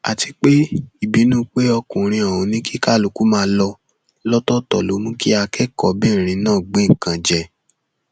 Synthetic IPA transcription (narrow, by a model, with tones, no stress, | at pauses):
a̰˨ti˧k͡pe˦i˦˨bi˨˦nũː˦k͡pe˦ɔ˧kũ˨ɾ̃ĩ˧ɔ˨ũ˨˧˦nĩ˦ki˦ka˦˨lo˨˦ku˨˦mãː˦˧˦lɔ˧ | lɔ˦tɔ˦tɔ˦˨lo˨˦mũ˦ki˦a˧kɛ˦kɔ˨bɛ˦˨ɾ̃ĩ˧nãː˦˨ɡ͡bẽ˨˦ŋ̩˨kã˧d͡ʒɛ˨